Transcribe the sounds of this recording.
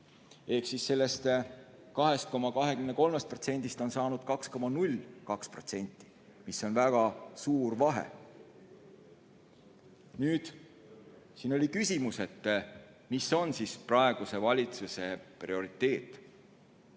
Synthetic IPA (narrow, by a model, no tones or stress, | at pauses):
e̞hksisːe̞lːe̞st̪ | kɑɦe̞st̪̚ko̞mɑkɑɦe̞kymneko̞lmest̪̚pro̞t̪se̞nʲd̪̥ist̪o̞nsɑːnud̪̥kɑksko̞mɑnulʲkɑkspro̞̰t̪se̞nʲt̪ːˑi̥ | misːo̞nvæɡ̥ɑsuːrvɑɦḛ | nyːd̪̥ | siːno̞lʲikysʲimuse̞t̪ː | misːo̞nsisprɑe̞ɡ̥use̞vɑlʲit̪suse̞prḭo̞ɾit̪ːˑe̞ːt̪ːˑ